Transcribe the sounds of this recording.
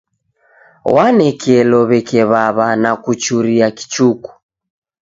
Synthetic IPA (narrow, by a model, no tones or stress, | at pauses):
wanɛkʰɛlɔβɛkɛβaβanakut͡ʃuɾiaki̥t͡ʃuku̥